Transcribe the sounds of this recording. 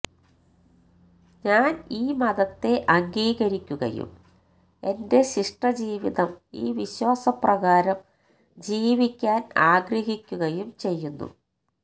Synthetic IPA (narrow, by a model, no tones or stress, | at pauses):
ɲaːniːmɐðɐt̪ːe̞ʔɐŋɡiːɣɐɾikʲːuɣɐ̰jṵm | e̞nde̞ɕiʂʈrɐd͡ʑiːʋiðɐmḭːʋiɕwaːsɐprɐɣaːɾɐm | d͡ʑiːʋikʲːaːnaːɡrɐɦikʲːuɣɐjumt͡ɕe̞jːunːṵ